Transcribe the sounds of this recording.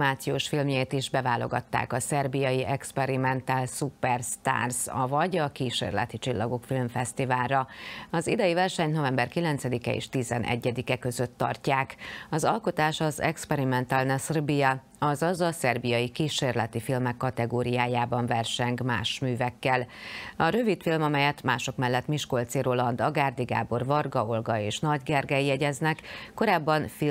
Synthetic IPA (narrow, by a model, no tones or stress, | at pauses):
maːt̪sijoːʃfilmjeːt̪iʒbɛvaːlo̞̰ɡɒ̰t̪ːa̰ːkɒsɛrbijɒjiʔɛkspɛɾimɛnt̪aːlsupɛrst̪a̰ːrzɒ̰vɒɟɒkiːʃḛːrlɛ̰t̪it͡ʃilːɒɡo̞kfilmfɛst̪ivaːlrɒɒzid̪ɛjivɛrʃɛɲno̞vɛmbɛrkilɛnt̪sɛd̪ikɛḛːʃt̪izɛnʔɛ̰ɟːɛd̪ikɛkø̞zø̞t̪ːɒ̰rcaːkɒzɒ̰lko̞t̪aːʃɒzɛkspɛɾimɛnt̪alnɛsrbijɛ | ɒzɒzɒsɛrbijɒjikiːʃeːrlɛt̪ifilmɛkːɒt̪ɛɡoːɾijaːjaːbɒɱvɛrʃɛŋkma̰ːʃmyːvɛkːɛlɒɾøvit̪filmɒmɛjɛt̪maːʃo̞kmɛlːɛt̪miʃko̞lt̪seɾolɒnd̪ɒɡaːrd̪iɡa̰ːbo̞rvɒrɡɒolɡɒeːʃnɒɟɡɛrɡɛjijɛɟɛznɛkːo̞ɾaːbːɒnfi